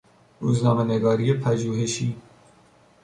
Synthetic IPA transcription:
ɾuːznɒːmeneɡɒːɾiːjepʰæʒuːɦe̞ʃiː

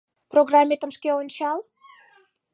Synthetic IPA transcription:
proɣrɑmʲːet̪əmʃkeonʲt͡ɕɑl

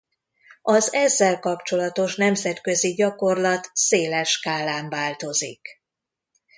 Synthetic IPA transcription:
ɒzɛzːɛlkɒpt͡ʃo̞lɒt̪o̞ʃnɛmzɛt̪kø̞ziɟɒko̞rlɒt̪seːlɛʃkaːlaːɱvaːlt̪o̞zḭk

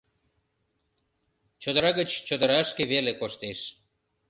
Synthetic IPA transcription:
t͡ɕod̪əɾɑɣət͡ɕt͡ɕod̪əɾɑəʃkeβelekoʃt̪eʃ

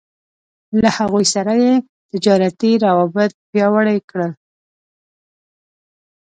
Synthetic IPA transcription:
lahaɣujsaɾaje | t̪ɪd͡ʒɑɾat̪iɾawɑbɪt̪̚pjɑwaɽajkɽəl

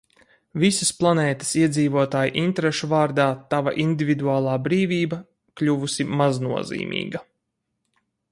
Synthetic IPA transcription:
visəsplˠanɛːt̪ə̥siɛd̪ziːvuɔt̪aːjʔint̪ɾeʃuvaːɾd̪aːt̪ava̰ʔind̪ivʲid̪uaːlˠɑːbɾiːviːbɐ | klʲuvusimaznuɔzḭːmʔḭːɡɐ

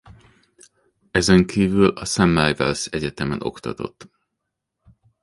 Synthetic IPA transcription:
ɛzɛŋkʰiːvylɒsɛmːɛjvɛlsɛɟɛt̪ɛmɛno̞̰kt̪ɒ̰t̪o̞̰t̪ː

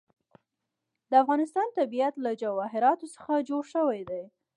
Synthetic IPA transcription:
d̪əafɣɑnɪst̪ɑnt̪abijat̪lad͡ʒawɑɦɪɾɑt̪osə̥xad͡ʒoɽʃəwajd̪aj

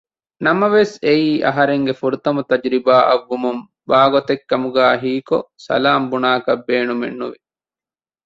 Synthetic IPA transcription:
nɐmɐʋeseiːʔɐ̰ɦɐɾeŋɡefuɾut̪ɐmut̪ɐd͡ʒɾibaːʔɐʋːumum | baːɡot̪ekːɐmuɡæːɦiːkosɐ̰laːmbunaːkɐbːeːnumenːuʋi

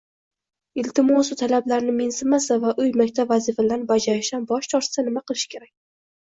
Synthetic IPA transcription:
ɪlt̪ʰɪmɒsʊt̪ʰalablaɾnɪmensɪmasavaʔʊjmakʲt̪ʰabvazifad̪anbad͡ʒaɾɪʃanbɒʃt͡ʃ̪ʰɒɾ̥sanɪmaqɨlˠɪʃɪ̥kʲʰe̞ɾak̚ʲ

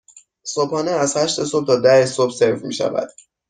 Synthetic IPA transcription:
sopɒːneæzhæʃt̪e̞sob̚t̪ʰɒːd̪æhesobse̞ɾfmḭːʃæ̰væ̰d̪̥

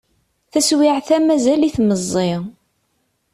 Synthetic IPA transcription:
θæswiʕθæmæzæliθməzˤːɪ

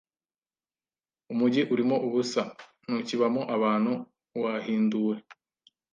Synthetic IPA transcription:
umuɟiʔuɾimo̞ʔuβusa | nuciβamoʔaβaːn̥hu | wahiːnduwe̞

